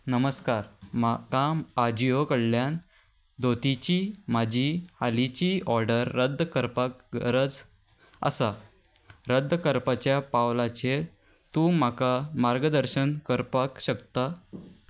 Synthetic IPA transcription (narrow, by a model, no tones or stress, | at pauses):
nəməskaɾmakaad͡ʑijokəɽljan | d̪ot̪it͡ɕim̤ad͡ʑʱihalit͡ɕiɔɾɖəɾːəd̪ʱkəɾpakɡəɾəd͡z | ə̰sa | ɾəd̪ʱːkəɾpat͡ɕjapawlat͡ɕe | t̪ũmakamaɾɡəd̪əɾɕənkəɾpakɕəkt̪a